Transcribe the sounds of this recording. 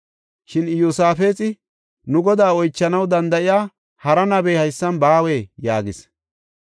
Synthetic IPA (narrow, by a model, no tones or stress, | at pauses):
ʃɪnjosaːfe̞ːt͡sʼɪ | nʊɡɔd̪aːɔjt͡ʃːɐnɐwd̪ɐnd̪ɐʔɪjaː | hɐɾɐnɐbeːhɐjsːɐnbaːweːjaːɡɪs